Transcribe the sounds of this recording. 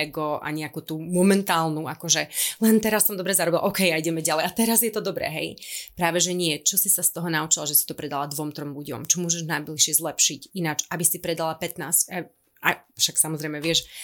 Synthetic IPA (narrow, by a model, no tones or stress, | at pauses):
ɛɡɔʔa̰ɲɛakuːt̪uːmɔmɛnt̪aːlnuakɔʒɛlɛnt̪ɛɾasːɔmd̪ɔbɾɛzaɾɔbilʔɔkɛjaiɟɛmɛɟalɛjat̪ɛɾazjɛt̪ɔd̪ɔbɾɛ̰ɦɛ̰jpɾaːʋɛʒɛɲɪɛt͡ʃɔsisast̪ɔɦɔnaut͡ʃilaʒɛsi̥t̪ɔpɾɛd̪alad̪ʋɔmt̪ɾɔmluɟɔ̰mt͡ʃɔmʊɔʒɛʒnajbliʃɪɛzlɛpʃicinat͡ʃabisipɾɛd̪alapɛt̪naːsca | afʃaksamɔzɾɛjmɛʋɪɛʃ